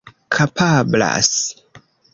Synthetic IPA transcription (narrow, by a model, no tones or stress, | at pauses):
kʰapʰabla̰s